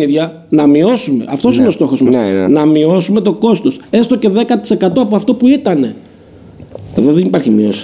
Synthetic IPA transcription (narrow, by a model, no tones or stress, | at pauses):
iðʝɐ | nɐmio̞sume̞̰ʔɐft̪o̞sinest̪o̞xo̞zmɐnsnɐmio̞sume̞t̪o̞ko̞st̪o̞se̞st̪o̞ce̞ðe̞kɐt̪ise̞kɐt̪oɐpoɐft̪o̞puit̪ɐne̞ | e̞̰ðo̞ðenipɐɾçimio̞si̥